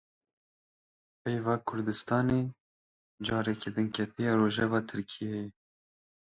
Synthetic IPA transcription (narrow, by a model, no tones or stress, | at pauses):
pejvɑːkʰʊɾd̪ɨst̪ɑːneː | d͡ʒɑːɾɛked̪ɨnkʰɛt̪ʰijɑːɾoːʒɛvɑːt̪ʰɨɾkʰijejɛ